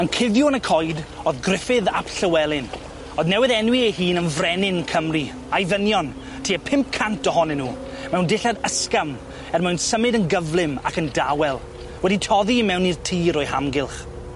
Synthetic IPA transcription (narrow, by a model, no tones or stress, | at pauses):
ənkʰɪðjuənəkʰɔjdoːðɡrɪfɨða̰pɬəwɛlˠɪn | ɔðnɛwɪðɛnwiehiːnənvrɛnɪnkʰəmri | ajðənjɔn | tʰiːəpʰɪmp̚kʰantɔhɔnɪnːuː | mɛwndɪɬadəskam | ɛrmɛwnsəmɪdənɡəvlˠɪma̰kəndawɛlˠ | wɛditʰɔðimɛwnirtʰiːɾɔjhamɡɪlˠχ